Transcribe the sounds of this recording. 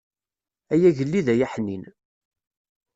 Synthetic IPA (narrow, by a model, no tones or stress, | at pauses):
æjæʝəlːiðæjæħnin